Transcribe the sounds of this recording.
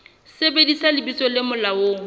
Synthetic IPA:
sebedisalɪbisɔlɪmʊlaoːŋ̩

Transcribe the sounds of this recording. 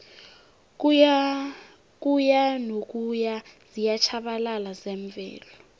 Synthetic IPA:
k̬ujanok̬ʼujaz̥ijat͡ʃʰaɓalalazɛɱb̪vʱɛ̰ːlɔ

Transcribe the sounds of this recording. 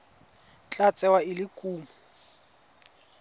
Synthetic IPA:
t͡ɬʼat͡sʼɛwaɪlɪkʼuːmu

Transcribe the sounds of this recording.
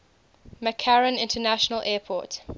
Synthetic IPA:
məkʰaɹə̃nɪ̃ntʰənaʃənəlʔɛːpʰɔ̰ːˑt

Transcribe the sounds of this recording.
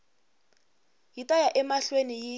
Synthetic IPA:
jitʼajaʔɛmaɬweniji

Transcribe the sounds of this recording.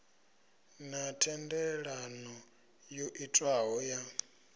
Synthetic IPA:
natʰɛndɛɺanɔ | jɔʔitʼwaɦɔja

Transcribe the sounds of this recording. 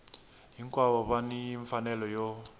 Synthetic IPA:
ɦiŋkwaβɔβanijiɱfanɛlɔjɔ

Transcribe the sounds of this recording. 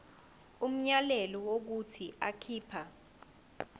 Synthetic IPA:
um̩ɲalɛlɔwok̬utʰiakʰiːpʰa

